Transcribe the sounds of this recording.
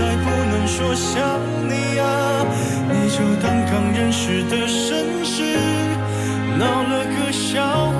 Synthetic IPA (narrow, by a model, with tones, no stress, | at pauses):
a˨˧ɪpu˥˧nə˧˥ŋʂwɔ˥ɕjɑ˧˥ŋ | ni˨˩a˧ | ni˨˩t͡ɕjo˥˩ʊt̪ɑ˥ŋkɑ˧˩ŋɻə˥nʂɻ̩˨˩d̪ə˧ʂə˥ŋ | ɕi˥ | nɑ˨˧˩ʊnə˧˩kə˧ɕjɑ˧ʊ